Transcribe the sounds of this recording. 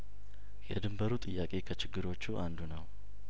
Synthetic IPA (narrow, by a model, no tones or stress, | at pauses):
jɛd̪ɨmbəɾut̪ʼɨjːakʼe̞kʰət͡ʃɪɡːɨɾot͡ʃːuʔand̪unəw